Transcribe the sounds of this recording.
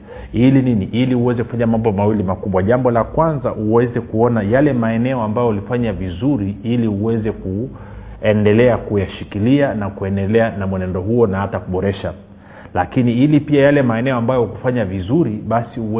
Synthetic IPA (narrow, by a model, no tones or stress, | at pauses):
ilininiʔiliuwɛzɛku̥faɲamambɔmawilimakuɓwaʄambɔlakwanzaʔuwɛzɛkuɔnajalɛmaɛnɛɔambajɔlifaɲavizuɾiiliuwɛzɛku | ɛndɛlɛakujaʃikilianakuɛndɛlɛanamwɛnɛndɔɦuɔnahatakuɓɔɾɛʃa | lakiniilipiajalɛmaɛnɛɔambajɔukufaɲavizuɾiɓasiu